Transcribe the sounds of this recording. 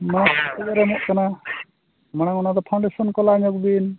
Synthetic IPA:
manat̪ɔɡɔɾɛmɔʔkana | maɽ̃aŋɔnad̪ɔpʰawɳɖɛsɔnkɔlaɲɔk̚bin

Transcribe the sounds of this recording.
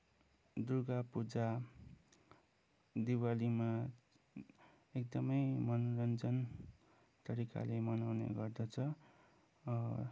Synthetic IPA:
d̪uɡapud͡za | d̪iwalima | ekd̪ʌmʌjmʌnɾʌnd͡zʌn | t̪ʌɾika̰lemʌnawnḛɡʌrd̪ʌt͡sʰʌ

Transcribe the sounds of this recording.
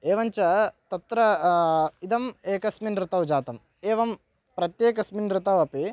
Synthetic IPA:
eːʋɐɲt͡ʃɐt̪ɐt̪ɾɐ | id̪ɐmeːkɐsminɾɪt̪ɐwd͡ʒaːt̪ɐm | eːʋɐm | pɾɐt̪jeːkɐsminɾɪt̪ɐʋɐpi

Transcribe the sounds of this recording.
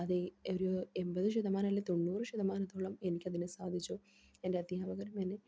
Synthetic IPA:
ɐðɨoɾoembɐðɨɕuðɐmaːnɐlːet̪o̞ɳːuːrɨɕuðɐmaːnɐt̪ːoːɭɐme̞nikʲːɐðinɨsaːd̪ʱit͡ɕːu | e̞ndeɐd̪jaːbɐɣɐɾɐmenːɨ

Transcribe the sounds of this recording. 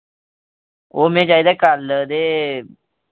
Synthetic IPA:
oːmẽːd͡ʒaːjd̪aːkaːld̪eː

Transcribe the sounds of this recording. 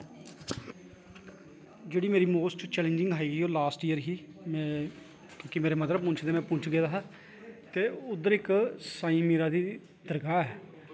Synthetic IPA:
d͡ʒeːɽiːmeːɾiːmoːsʈt͡ʃɛːlə̃nd͡ʒɪ̃ŋɡaːiːɡiːoːlaːsʈijəɾɦiː | mɛ̃ː | kjõːkɪmeːɾeːmət̪ɾəbmʊ̃nt͡ʃʰd̪eːmɛ̃ːpʊ̃t͡ʃʰɡeːd̪aɦaː | t̪eːʊd̪ːəɾɪksaːĩːmiːɾaːd̪iː | d̪̥əɾɡaːɛː

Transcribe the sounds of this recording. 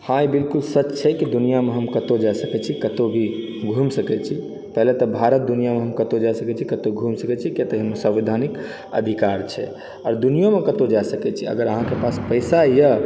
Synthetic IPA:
hãibilkulsət͡ʃːt͡ʃʰɛkid̪unijameɦəmkət̪od͡ʒasəkɛt͡ʃʰikət̪obʱi | ɡʱumsəkɛt͡ʃʰi | pəɦlet̪ɔbʱaɾət̪̚d̪unijameɦəmkət̪od͡ʒasəkɛt͡ʃʰikət̪oɡʱumsəkɛt͡ʃʰikjat̪əɦəmːesə̃ʋid̪ʱanik | ə̰d̪ʱikaɾt͡ʃʰɛ̰ | ɔɾd̪unijomekət̪od͡ʒasəkɛt͡ʃʰiə̰ɡəɾəɦãkepaspəɪsajə

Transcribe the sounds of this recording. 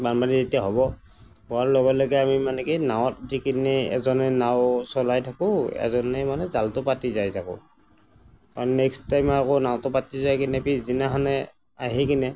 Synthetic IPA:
banbanizetijaɦɔbɔ | bɔaɹlɔɡɔtlɔɡɛamimanɛkinawɔt̚dikinɛɛ̰zɔnɛnawsɔlajtʰakʊɛ̰zɔnɛmanɛzaltʊpatizajtʰakʊ̰ | kaɹɔnɛkstajmakɔnawtʊpatizajkinɛpiszinaɦanɛ | aɦikinɛ

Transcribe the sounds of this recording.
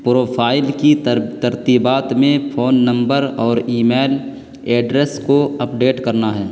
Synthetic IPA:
pɾoːpʰaːɪlkit̪əɾt̪iːbaːt̪mẽpʰoːnːə̃mbəɾɔːɾiːmeːl | eːɖɾeskoɐpɖeːʈkɐɾnaɦɛː

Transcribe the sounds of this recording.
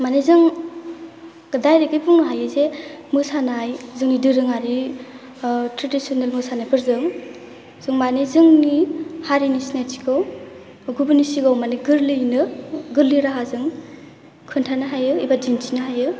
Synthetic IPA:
manezɯŋ | dajɾiɡɯjbuŋnɯɦajɯzemɯsanajzɯŋnidɯɾɯŋaɾi | tʰɾedisonelmɯsanɯbʰɯɾzɯŋ | z̥ɯŋmanezɯŋnihaɾinisinatʰi̥ɡaw | ɡubɯnisiɡawmaniɡɯɾlɯjnɯɡɯɾliɾaɦazɯŋ | kʰɯntʰanɯɦajɯibad͡ʒinsʰinɯɦajɯ

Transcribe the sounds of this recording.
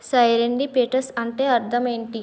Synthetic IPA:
sɐjɾeɳɖipeːʈɐɾsɐɳʈeːɐɾt̪ʰɐme̞ːɳʈi

